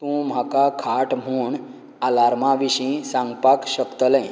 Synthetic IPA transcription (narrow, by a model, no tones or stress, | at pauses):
t̪ũm̤akakʰaʈm̤uːɳ | alaɾmaʋiɕĩsaŋɡpakɕəkt̪ələ̃j